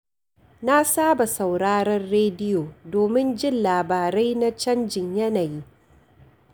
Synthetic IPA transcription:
na˦saː˦ba˨sa˨wɽaː˦ɾɐ˦rɽeː˦dɪ˦joː˨doː˨mɪ˦nd͡ʒɪ˦nlaː˨baː˨ɾa˦jna˦t͡ʃɐ˦nd͡ʒɪ˨ɲjɐ˦naː˨ji˦

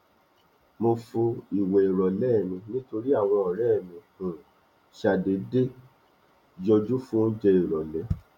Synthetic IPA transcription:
mo˧fũ˧i˨we˨i˨ɾɔ˨lɛ˦˨mĩ˧nĩ˦to˧ɾi˦a˦˨w̃ɔ̃˧ɔ˨ɾɛ˦˨mĩ˨hũ˨ | ʃa˨de˨˦de˦ | d͡ʒɔ˧d͡ʒu˦fũ˦n̩˦d͡ʒe˧i˨ɾɔ˨lɛ˨˦

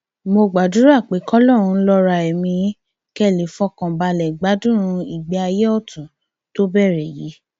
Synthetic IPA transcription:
mo˧ɡ͡ba˨du˨˦ɾa˦˨k͡pe˨˦kɔ˦lɔ˦˨ɾ̃ũ˧˦lɔ˧ɾa˧ɛ˨mĩ˧˦ | kɛ˦˨le˨˦fɔ˦kã˨ba˧lɛ˨ɡ͡ba˨˦dũ˦ɾ̃ũ˧i˨ɡ͡bɛ˧a˧je˦ɔ˦˨tũ˨ | to˦bɛ˦˨ɾɛ˨ji˨˦

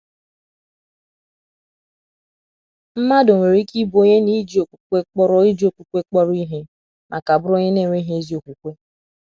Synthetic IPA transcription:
m̩˦ma˦do˨ŋʷe˨ɾi˦ki˦bo˦ɲe˦ni˦d͡ʒi˦o˨kʷu̥˨kʷe˦k͡pɔ˦ɾɔ˦i˦d͡ʒi˦o˨kʷu˨kʷe˦k͡pɔ˦ɾi˦ɦe˦ | nʔa˨ka˨bʊ˦ɾo˦ɲe˦ne˦˨ŋʷe˦i˦ɦe˦e˦zi˦o˨kʷu˨kʷe˦

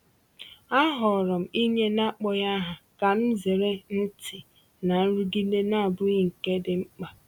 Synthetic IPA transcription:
a˦ɦɔ˨ɾɔ˨m̩˨i˦ɲe˦na˦k͡pɔ˦ja˦ɦa˨ka˨m̩˦ze˨ɾe˦n̩˦tɪ˨ | na˨n̩˦ɾu˦ɡi˦ne˦na˦˨bʊ˦i˦ŋ̩˨ke˦dɪ˦ŋ͡m̩˦k͡pa˨

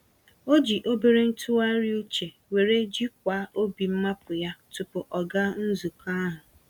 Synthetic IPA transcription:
o˦d͡ʒi˨ʔo˦be˨ɾe˦n̩˦tʰu˦a˦ɾi˦u˦t͡ʃe˨ | we˨ɾe˦d͡ʒi˦k̚ʷa˨˦ʔo˦bi˨m̩˦ma˦pʊ˨ja˦tʊ˨pʊ˨ʔɔ˨ɡa˦n̩˦zu˨ka˦ɦʊ˨

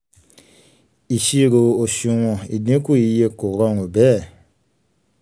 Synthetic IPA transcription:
i˨ʃi˦˨ɾo˨o˨sĩ˧˦wɔ̃˨i˨dẽ˦ku˦˨i˧˦je˦ko˨ɾɔ˦no˨bɛ˦˨

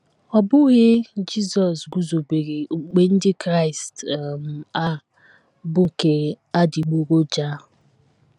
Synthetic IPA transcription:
ɔ˨bʊ˦ɣɪ˦d͡ʒi˦zɔ˨sɡu˦zo˨be˨ɾe˨k͡pe˨n̩˦dɪ˦kɾa˦ɪ˨stm̩˨a˦ | bʊ˦ke˨ | a˦di˨ɡ͡bo˦ɡo˦d͡ʒa˦

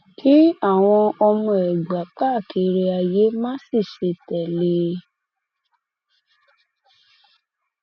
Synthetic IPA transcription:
kʰi˦a˦˨w̃ɔ̃˧ɔ˧mɔ̃˧ɛ˨ɡ͡ba˨˦k͡pa˦˨ke˨˧˦ɾe˧a˧je˨˦mãː˦si˦˨ʃe˧tɛ˨le˧˦

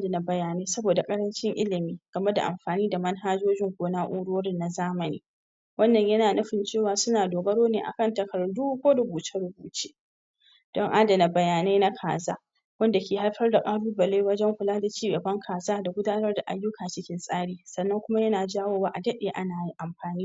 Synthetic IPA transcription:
ʔa˦dɐ˨na˨bɐ˨jaː˨neː˦sɐ˦boː˨da˨kʼɐ˦ɾɐ˦nt͡ʃɪ˦ŋʔɪ˦lɪ˨miː˦ɡ̥ɐ˨me˦da̰˨ʔa̰˨mɸaː˨niː˦da˨mɐ˦nɦaː˦d͡ʒoː˦d͡ʒɪ˦ŋkʷoː˨naː˦ʔʷuː˦ɽoː˦ɽɪ˦nːa˨zaː˦mɐ˨nḭː˦ | wɐ˦nːɐ˨ɲjɐ˦naː˨nɐ˦ɸɪ˨nt͡ʃeː˦˨waː˨sʊ˦naː˨doː˨ɡɐ˦ɽoː˦neː˨ʔa̰˨kɐ˦ntɐ˨kɐ˨ɾduː˦kʷoː˦dʊ˦buː˨t͡ʃe˦ɽʊ˦buː˨t͡ʃeː˦ | d̥ɔ˦ŋʔaː˦dɐ˨na˨bɐ˨jaː˨ne˦na˦kʰa̰ː˨za̰ː˦ | wɐ˦nda˨kʲeː˨ha˦lɸɐ˦rda˨kʼaː˦ɽuː˦bɐ˨le˦wɐ˦d͡ʒɛ˦ŋɸʊ˨laː˦da˨t͡ʃiː˦ɡɐ˨bɐ˦ŋkʰaː˨zaː˦da˨ɡʷʊ˦daː˦nɐ˦rda˨ʔa̰˨jːʊ˦kʰaː˨t͡ʃɪ˦kʲɪ˦nsʼaː˦ɽiː˨sɐ˨nːɐ˦ŋkʷʊ˦ma˦jɐ˦naː˨d͡ʒaː˦woː˦waː˦ʔa˨dɐ˦ɗeː˨ʔa˦naː˨ji˦ʔa˨mɸaː˨niː˦

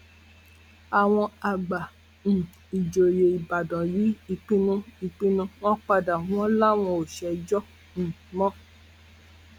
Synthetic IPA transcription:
a˨w̃ɔ̃˧a˨ɡ͡ba˨ | ñ̩˨ | i˨d͡ʒo˨je˨i˨ba˨dɔ̃˨ji˨˦i˧k͡pĩ˧˦nũ˧˦i˧k͡pĩ˧nũ˧w̃ɔ̃˦k͡pa˧da˨w̃ɔ̃˦la˦˨w̃ɔ̃˧o˨ʃɛ˨˦d͡ʒɔ˦ | ñ̩˨ | mɔ̃˦

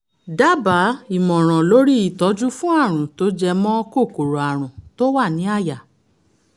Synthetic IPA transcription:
da˦ba˨˦i˨mɔ̃˨ɾ̃ɔ̃˨lo˨˦ɾi˦i˦˨tɔ˨˦d͡ʒu˦fũ˦a˦˨ɾ̃ũ˨to˦d͡ʒɛ˧mɔ̃˦˧ko˦˨ko˨ɾo˨a˨ɾ̃ũ˨to˦wa˦˨nĩ˨˦a˦˨ja˨

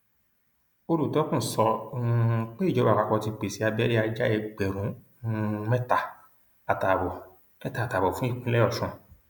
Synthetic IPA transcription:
o˧ɾu˦˨tɔ˨˦kũ˦˨sɔ˧k͡pe˦˨d͡ʒɔ˨˦ba˦˨ka˨˧˨kɔ˧ti˧k͡pe˨si˦a˧bɛ˦ɾi˦a˧d͡ʒa˦ɛ˧ɡ͡bɛ˨ɾũ˨˦ | mɛ˦ta˨ | a˨ta˨bɔ˨ | mɛ˦ta˦˨ta˨bɔ˨fũ˨˦i˦˨kũ˨˦lɛ˦ɔ˦˨ʃɔ̃˨

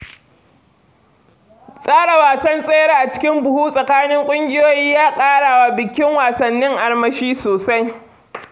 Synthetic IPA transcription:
sʼaː˦ɽa˨waː˨sɐ˦nsʼeː˦jɽa˦ʔa˨t͡ʃɪ̥˦kʲɪ˦mbʊ˨huː˦sʼɐ˨kaː˦nɪ˦ŋkʷʼʊ˦ŋɡʲɪ˦joː˦jiː˦jaː˦kʼaː˦ɽaː˨wa˦bɪ˨kʲɪ˦ŋwaː˨sɐ˨nːɪ˦ŋʔa˨ɽmɐ˦ʃiː˦soː˨sa˦j

